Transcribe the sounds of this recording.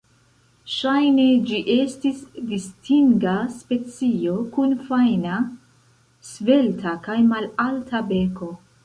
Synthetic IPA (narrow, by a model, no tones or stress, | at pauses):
ʃajne̞d͡ʒiʔe̞stisdistiŋɡaspe̞t͡sio̞kunfajna | sve̞ltʰakajmalaltʰabe̞ko̞